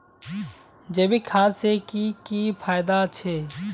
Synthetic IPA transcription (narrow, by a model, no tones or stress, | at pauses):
d͡ʒeːbiːkʰaːsekikiːfʰaːɪd̪at͡ʃʰeː